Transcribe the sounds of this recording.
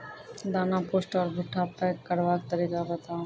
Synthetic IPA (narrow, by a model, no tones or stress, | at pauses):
d̪anaposʈɔɾbʱoʈʰːapːakkːəɽʋak̚t̪aɾikabat̪a